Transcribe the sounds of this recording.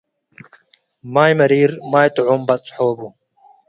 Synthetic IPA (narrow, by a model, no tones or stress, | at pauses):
maːjmɐɾiːɾmaːjt̪uʕumbɐt͡sʼħoːbu